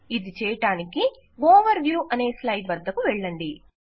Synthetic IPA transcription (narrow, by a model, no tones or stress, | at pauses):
id̪it͡ʃɛːjɐʈaːniki | ʋoːʋɐɾʋjuːʔɐneːslɐjbɐd̪ʱːɐkuʋɛɭːɐɳɖi